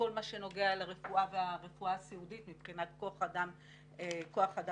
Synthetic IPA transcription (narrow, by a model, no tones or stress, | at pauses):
o̞lmaʃe̞no̞ɡealaʁefuaveaʁefuaːsiuditmipχinat̚koaχadam | koaχada